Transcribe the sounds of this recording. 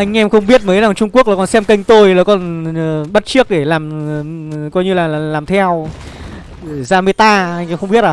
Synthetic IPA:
ʔa˧jŋ̟ʔɛ˧mxə˧wŋ͡mɓi˦˥ət̚məː˨˦jza˨˩ŋt͡ɕʊ˧ŋ͡mku˦˥ək̚la˨˩kɔ˧˩nsɛ˧mkə˧jŋ̟t̪o˧jlaː˨˩kɔ˧˩nː˨˩ɓə˦˥t̚t͡ɕɨ˦˥ək̚ɗe˧˩laː˨˩m˨ | kɔ˧jɲɨ˧laː˨˩˨laː˨˩mt̪ʰɛ˧w | zaː˧mɨ˧jt̪aː˧ʔa˧jŋ̟ʔɛ˧mxə˧ŋ͡mɓi˦˥əaː˨˩

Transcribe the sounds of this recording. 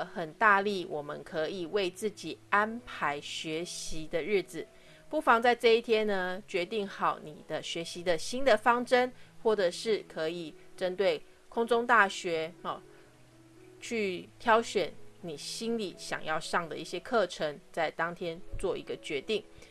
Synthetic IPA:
xə˨˩nt̪a˥˧li˥˩wʔɔ˨˩mə̰˨˦nkʰɤ˧˦i˨˩we˥˧ɪt͡sɹ̩˥˩t͡ɕi˨˩a˦˥npʰa˧˦ɪɕɥɛ˨˥ɕi˨˦d̪ə˨ɻɻ̩˥˩d͡z̩˨˩ | pu˥˩fɑ˧˦ŋt͡sa˥˧ɪʈ͡ʂɤ˥˧i˥˩t̪ʰjɛ˥nə˨t͡ɕɥɛ˧˦˥t̪i˥˩ŋxɑ˨˩ʊni˨˩d̪̥ə˦ɕɥɛ˨˧˥ɕi˧˦d̪ə˨ɕi˥nd̪ə˨fɑ˥ŋʈ͡ʂə˦nxwɔ˥˩ʈ͡ʂə˨˩ʂɻ̩˥˩kʰɤ˧˦i˨˩ʈ͡ʂə˦nt̪we˥˩ɪ | kʰʊ˥ŋt͡so˥ŋt̪a˥˩ɕɥɛ˨˧˥ | t͡ɕʰy˥˩t̪ʰjɑ˥ʊɕɥɛ˨˩˦nni˨˩ɕi˥nli˨˩ɕjɑ̰˨˩ŋjɑ˥˧ʊʂɑ˥˩ŋd̪ə̰˨˩i˥˩ɕjɛ˦kʰɤ˥˩ʈ͡ʂʰə˧˦ŋt͡sa˥˩ɪt̪ɑ˥ŋt̪ʰjɛ˥nt͡swɔ˥˩ḭ˧˥ɡə˧t͡ɕɥɛ˧˦˥t̪i˥˩ŋ

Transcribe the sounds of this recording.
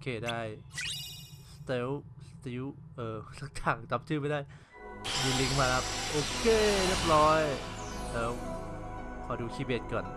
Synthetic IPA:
ʔo˧kʰeː˧˩daː˥˩j | st̪e˦˥wst̪i˦˥wʔɤː˧˩sa˦˥k̚t̪ʰaː˧˩ŋt̪a˧˦˥p̚t͡ɕʰɯː˥˩pa˧jdaː˥˩j | diː˧li˦˥ŋmaː˧la˦˥p̚ʔoː˧˩kʰeː˧˩le˦˥˩p̚ɾɔː˦˥jlɛː˦˥w | kʰɔː˧duː˧t͡ɕʰiː˦˥˩beː˦˥t̪̚kɔː˨˩n

